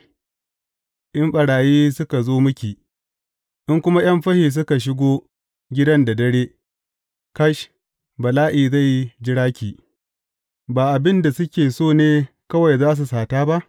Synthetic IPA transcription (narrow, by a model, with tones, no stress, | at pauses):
ʔɪ˦mɓɐ˨ɽaː˨jiː˦sʊ˦ka˨zoː˦mʊ˦kʲiː˨ | ʔɪ˦ŋkʷʊ˦ma˦j̰ɐ˦mɸɐ˦hiː˨s̬ʊ˦ka˨ʃ̬ɪ˦ɡʷoː˦ | ɡʲɪ˦dɐ˦nda˨dɐ˦ɽeː˦ | ka˦ʃ | bɐ˨laː˦ʔiː˨za˦˨ji˦d͡ʒɪ˦ɽaː˦kʲiː˨ | baː˨ʔa˨bɪ˦nda˨sʊ˦kʲeː˨soː˦˨neː˦ | kɐ˦wa˨jzaː˦s̬u˨saː˨taː˦ba˦ʔ